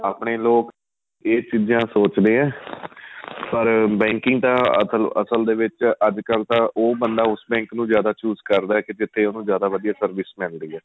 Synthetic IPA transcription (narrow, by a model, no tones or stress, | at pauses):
aːpɳeːloːk | eːt͡ʃiːd͡ʒãːsoːt͡ʃd̪eːɛ̃ː | pəɾbɛ̃ːŋkɪŋɡt̪ãːə̰sələ̰səld̪eːʋɪt͡ʃəd͡ʒkəlt̪ãːʔoːbənd̪aːʊsbɛ̃ːŋknũːzjaːd̪aːt͡ʃuːzkəɾd̪aːɛːked͡ʒɪt̪ʰːeːoːnũːzjaːd̪aːʋəd̪ijaːsəɾʋɪsmɪld̪iːɛː